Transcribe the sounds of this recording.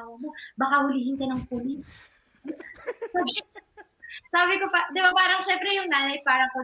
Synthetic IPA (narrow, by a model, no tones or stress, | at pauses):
wɐmobɐkahʊliːhɪnkɐnɐŋpulɪn | saːbɪ | saːbɪkopad̪ɪbapaːɾɐŋʃɛmpɾɛjʊŋnaːnɐjpaːɾɐŋko